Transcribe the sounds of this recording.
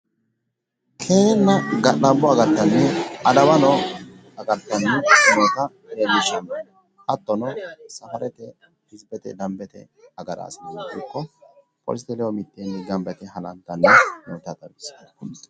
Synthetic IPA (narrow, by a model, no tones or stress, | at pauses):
kʰeːnːɐɡɐɗːɐbɔɐɡɐɾt̪ːɐnːɛɐd̪ɐwɐnɔ | ɐɡɐɾt̪ːɐnːɛsɪnot̪ɐ | emɪʃɐn | ʔɐt̪ːɔnɔsɐfɐɾɛt̪ɛ | hɪzbɛt̪ɛd̪ɐmbɛt̪ɛ̰ | ɐɡɐɾa̰ːsɪnɪkːɔ | pʼɔ̰lst̪ɛlɛwɔmɪt̪ːenːɪɡɐmbɛt̪ɛɦɐnɐ̰ɡɐnːɛmɔwt̪at̪ɐbɪs